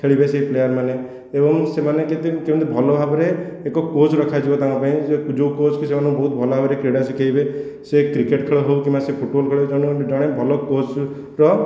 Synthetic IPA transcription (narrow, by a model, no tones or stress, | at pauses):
kʰeɭibeseɦiplejaɾmane | ebɔŋsemaneket̪ikim̃t̪ibʱɔlɔbʱabɔɾeːkɔkod͡ʒɾɔkʰad͡ʒibɔt̪aŋkɔpaĩd͡ʒoukod͡ʒkisemanɔ̃kubɔɦut̪̚bʱɔlɔbʱabɔɾekɾeɽasikʰaibe | sekɾikeʈkʰeɭɔɦewkĩmbasepʰuʈbɔlkʰeɭɔd͡ʒɔɽ̃ud͡ʒɔɽ̃ebʱɔlɔkod͡ʒ | ɾɔ